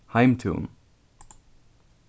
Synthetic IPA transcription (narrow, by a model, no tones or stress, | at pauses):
hãɪ̃mtʰṵːn